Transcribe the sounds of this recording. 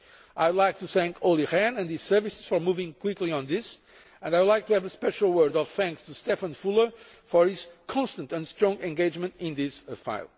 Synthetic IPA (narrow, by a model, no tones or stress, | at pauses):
ʔajwdˡlajk̚t̪uθæ̃ŋkʰolˠiʁæ̃nɨ̃ndhiz̥sɜ˞visɨ̥z̥fɔ˞muvɪ̃ŋkw̥ɪkliə̃nðɪs | ɨ̃ndajwdˡlˠaɪk̚tuævəspɛʃl̩ˠwɜ˞dɔv̥θæ̃ŋkstust̪ɛfə̃nfulˠə˞ | fɔɹhiz̥kʰɔ̃nst̪ə̃ntɨ̃ndstɹɔ̃ŋɡɛ̃ŋɡeɪd͡ʒmɨ̃ntɪ̃nðɪsfa̰ɪlˠ